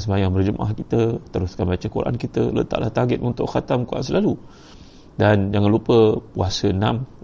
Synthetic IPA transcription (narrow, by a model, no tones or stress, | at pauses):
səbajaŋbərd͡ʒəma̰hkit̪ət̪əɾuskanbat͡ʃəkuɾa̰ʔa̰nkit̪ələ̰t̪a̰ʔla̰ht̪aɡɪt̪unt̪ʊʔxat̪amkuɾʔa̰nsəlalu | dand͡ʒaŋanlupəpuasəənãm